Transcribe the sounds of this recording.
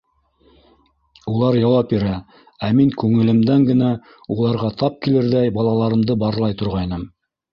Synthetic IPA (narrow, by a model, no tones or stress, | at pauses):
ulˠɑɾjɑwɑp̚biɾæ | æmiŋkʉŋɘ̆lɘ̆md̪æŋɡɘ̆næ | ulˠɑɾʁɑt̪ɑp̚kilɘɾðæjbɑlˠɑlˠɑɾɤ̆md̪ɤbɑɾlˠɑjt̪ŏɾʁɑjnɤm